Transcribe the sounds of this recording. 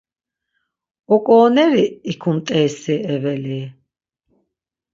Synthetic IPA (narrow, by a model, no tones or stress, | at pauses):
ɔkʼɔːnɛɾiːkʰumt̪ʼɛːsiɛvɛli